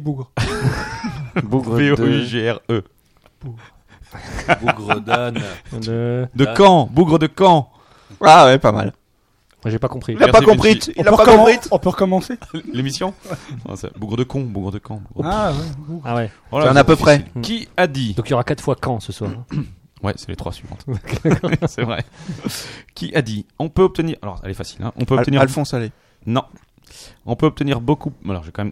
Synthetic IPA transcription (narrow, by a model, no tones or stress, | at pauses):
buɡʁ | buɡʁəeod̪ʒeɛʁø | buɡ | buɡʁd̪n | d̪əkɑ̃buɡʁəd̪əkɑ̃ | awɛpama̰l | wɛʒepakɔ̃pχilapakɔ̃pχiɔ̃lapaɔ̃pχit̪ɔ̃pøʁəkɔmɑ̃selemisjɔ̰̃sɛ̰buɡʁəd̪əkɔ̃buɡʁəd̪əkʰɑ̃buɡʁawɛawɛ | walaɛ̃napøpχɛilkʲiad̪id̪ɔ̃kijɔʁakat̪fwakɑ̃səswaːʁɛ̃ | wɛ̰sɛlet̪χwa̰sɥivɑ̰̃t̪d̪akɔsɛvʁɛ̰ | kʲiʔad̪iɔ̃pøɔp̚t̪əniʁalɔ̰ʁɛ̰lɛfasi̥lɛ̰̃ʔɔ̃pøɔpt̪əniʁalfɔ̃salɛ | nɔ̃ | ɔ̃pøɔp̚t̪əniʁbokualɔ̰ʁʒekɑ̃mɛm